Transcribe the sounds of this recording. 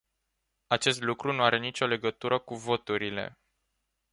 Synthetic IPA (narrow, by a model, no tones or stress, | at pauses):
at͡ʃe̞st̪lukɾunuaɾe̞nit͡ʃʲo̞le̞ɡət̪uɾəkuvo̞t̪uɾile̞̰